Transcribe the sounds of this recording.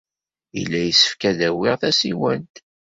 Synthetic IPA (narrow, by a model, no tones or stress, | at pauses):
ḭlːæjəsə̥fkæðæwɪʁθæsḭwænt̪